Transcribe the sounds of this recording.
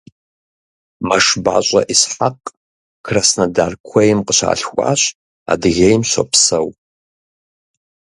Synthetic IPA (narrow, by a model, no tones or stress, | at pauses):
mɐʂba̰ɕʼɐ̰ʔisħaqʼ | kʰrasnɐdaːrkʷʰɐjɪmqəɕa̰ːɬxʷʼa̰ːɕ | a̰dɨɣejmɕʷɐ̰pʰsɐw